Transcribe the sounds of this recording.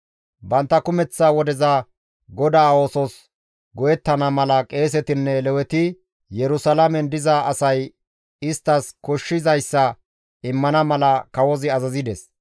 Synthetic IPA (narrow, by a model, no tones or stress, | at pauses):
bɐnt̪ːɐkʊmɛt͡sːaːwɔd̪ɛza | ɡɔd̪aːoːsɔs | ɡɔjɛt̪ːɐnɐmɐlɐkʼe̞ːs̬ɛt̪ɪnːɛlɛwɛt̪ɪ | jɛɾʊsɐlamɛnd̪ɪzaɐsɐj | ɪst̪ːɐskɔʃːɪzɐjsːɐ | ɪmːɐnɐmɐlɐkɐwɔzɪɐzɐzɪd̪ɛs